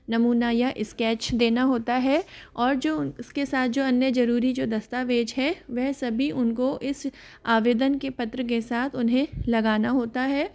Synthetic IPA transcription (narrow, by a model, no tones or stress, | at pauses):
nɐmuːnajaʔɪskɛːt͡ʃd̪eːnaɦoːt̪aɦɛɔːɾd͡ʒoːskesaːt̪̚ʰd͡ʒoːɐnjəd͡ʒɐɾuːɾid͡ʒoːd̪ɐst̪aʋeːd͡ʒɦɛʋɛɦsɐbʱiʔʊnkoʔɪs | aːʋeːd̪ənkepɐt̪ɾək̬esaːt̪ʰʊnɦẽlɐɡaːnaɦoːt̪aɦɛː